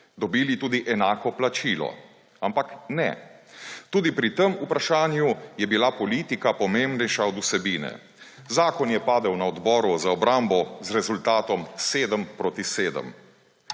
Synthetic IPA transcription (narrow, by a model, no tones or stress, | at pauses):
d̪ɔbiːlit̪uːd̪iʔɛnaːkɔplat͡ʃiːlɔ̰ | ampaknɛ̰ | t̪uːd̪ipɾit̪əmupɾaʃaːnjujɛbilapɔliːt̪ikapɔmembnɛjʃaɔd̪usɛbiːnɛ̰ | zaːkɔnjɛpaːd̪əwnaɔd̪bɔːɾuzaɔbɾambɔzɾɛzult̪aːt̪ɔmseːd̪əmpɾoːt̪iseːd̪ə̰m